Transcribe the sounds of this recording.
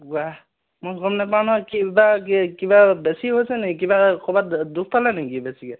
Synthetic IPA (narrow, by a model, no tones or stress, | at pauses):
wa | mɔɡɔmnɛp̬ankibakkibabɛsiɦojsɛnikibakʰɔbatd̪uk̚ʰpalanɛkibɛsikɛ